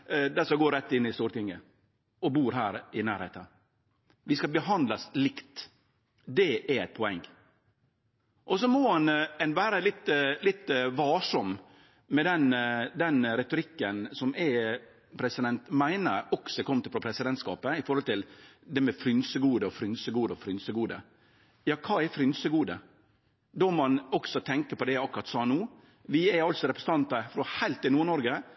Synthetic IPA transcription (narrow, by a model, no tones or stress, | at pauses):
d̪ɛsɔɡoːɾɛt̪ːɪnːɪst̪uːɾʈ̪ʰɪŋːə | ɔbuːɾɦæːɾɪnæ̰ːɾheːt̪ə | ʋɪskɑbəɦɑnd̪lɑslɪkt̪ | d̪ɛæɾɛɪt̪̚pʰɔɛŋː | ʔɔsɔmɔhɑnɛnʋæːɾəlɪt̪ːlɪt̪ːʋɑːʂɔm | mɛd̪ɛnd̪ɛnɾɛt̪ʊɾɪkːənsɔmɛ | pʰɾɛsɪd̪ɛnt̪mæɪnəɾɔksɔkʰɔmt̪ɪfɾɔpʰɾɛsɪd̪ɛnt̪skɑ̰ːpəɪfɔɾhɔlt̪ɪld̪ɛmɛfɾʏnsəɡuːd̪əɔfɾʏnsəɡuːd̪əɔfɾʏnsəɡuːd̪ə̰ | jɑːkʰɑːɛfɾʏnsəɡuːd̪ə | d̪ɔmɑnɔksɔt̪ʰɛŋkəɾpɔd̪ɛɑkɾɑɾt̪sɑːnuː | ʋɪɛɾɑlt̪sɔɾɛpɾɛsən̩t̪ɑnt̪əfɾɔhæɪlt̪ɪnuːɳɔɾɡə